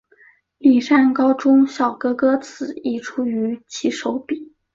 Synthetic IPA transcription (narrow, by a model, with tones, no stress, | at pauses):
li˨˩ʂa˥˩nkɑ˥ʊʈ͡ʂʊ˥ŋɕjɑ˨˩ʊkɤ˥kɤ˥t͡sʰɹ̩˨˩˦i˥˩ʈ͡ʂʰu˥y˧˥t͡ɕʰi˧˥ʂo˧˥ʊpi˨˩˦